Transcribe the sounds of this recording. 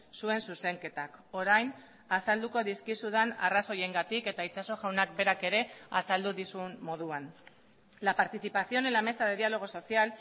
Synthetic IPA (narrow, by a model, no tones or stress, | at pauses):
sue̞nsuse̞ŋke̞t̪ako̞ɾajn | asald̪uko̞ðiskisuðanaraso̞je̞ŋɡat̪ike̞t̪ait͡ʃaso̞ʝawnak̚be̞ɾake̞ɾe̞asald̪uðisummo̞ð̞uan | lapaɾt̪iθipaθio̞nelame̞saðe̞ðialo̞ɣ̞o̞so̞sial